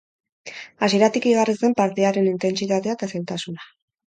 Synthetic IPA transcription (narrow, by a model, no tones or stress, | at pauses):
as̬ie̞ɾat̪ikiɣ̞arise̞mpaɾt̪e̞aɾe̞nint̪e̞nt͡sit̪at̪eat̪aselt̪asuna